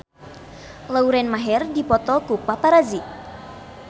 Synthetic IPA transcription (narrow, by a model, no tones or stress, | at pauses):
lauɾɛnmaɦɛrdipɔt̪ɔkupapaɾazi